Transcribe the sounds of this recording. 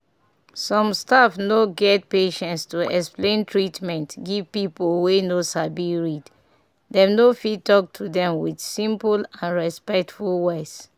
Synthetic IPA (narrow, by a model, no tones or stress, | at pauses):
sɔ̃mstafnoɡɛt̚peʃɛ̃ntstuɛksplẽntʰɹitmɛ̃ntɡiv̥pipolwenosabiɹid | dɛ̃mnofid̚tɔk̚tʰudɛ̃mwid̥sĩmpulãnɹɛspɛk̚tfulwes